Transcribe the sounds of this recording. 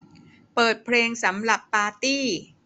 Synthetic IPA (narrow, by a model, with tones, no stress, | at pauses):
pɤː˨˩t̪̚pʰleː˧ŋsa˩˦mɾa˨˩pːaː˧t̪iː˥˩